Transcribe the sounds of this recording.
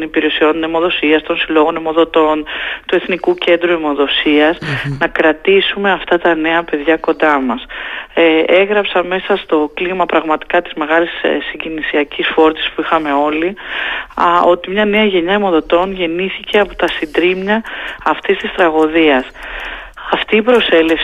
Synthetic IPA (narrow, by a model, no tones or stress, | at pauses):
nipiɾe̞sio̞none̞mo̞ðo̞siɐst̪o̞nsilo̞ɣo̞ne̞mo̞ðo̞t̪o̞nt̪ue̞θnikuce̞nd̪ɾue̞mo̞ðo̞siɐznɐkɾɐt̪isume̞ɐft̪ɐt̪ɐne̞ɐpe̞ðʝɐko̞nd̪ɐmɐs | e̞ɣɾɐpsɐme̞sɐst̪o̞klimɐpɾɐɣmɐt̪i̥kɐt̪i̥zme̞ɣɐlissːiɲɟinisiɐcisfo̞ɾt̪i̥spuixɐme̞o̞li | o̞t̪imɲɐne̞ɐʝe̞ɲɐemo̞ðo̞t̪o̞nʝe̞niθice̞ɐpot̪ɐsind̪ɾimɲɐːft̪ist̪ist̪ɾɐɣo̞ðiɐs | ɐft̪iːpɾo̞se̞le̞f